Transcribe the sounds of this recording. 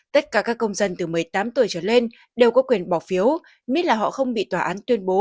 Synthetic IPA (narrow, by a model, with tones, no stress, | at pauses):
t̪ə˦˥t̚kaː˧˩kaː˦˥kːə˧wŋ͡mzə˧nt̪ɨ˨˩mɨ˨˩əjt̪aː˨˦mt̪u˨˩əjt͡ɕəː˧˩le˧n | ɗe˨˩wkɔ˨˦kwi˨˩ənɓɔ˧˩fi˨˦əw | mi˦˥t̚laː˨˩ɦɔ̰˧˨xə˧wŋ͡mɓḭ˧˨t̪waː˧˩ʔaː˨˦nt̪wi˧ənɓo˨˦